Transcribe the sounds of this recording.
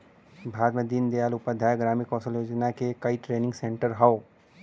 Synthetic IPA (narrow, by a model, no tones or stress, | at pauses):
bʱaːd̪mẽd̪iːnd̪ejaːlʊpad̪ʱaːjɡɾaːmikɔːsəljoːd͡ʒnakekɐiʈɾeːnɪ̃ŋɡsẽɳʈəɾɦao